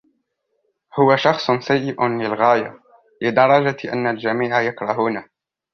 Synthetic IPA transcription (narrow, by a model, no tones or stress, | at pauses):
hʊwaʃɑxsˤnsajːɪʔʊnlɪlɣaːja | lɪd̪ɑɾˤɑd͡ʒaʔa̰nːald͡ʒamiːʕajakɾˤɑɦuːna